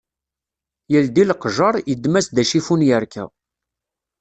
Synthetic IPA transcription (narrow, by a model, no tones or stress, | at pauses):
jəld̪ilqʒɑɾˤjəd̪mæsd̪æʃifunjəɾkʰæ̰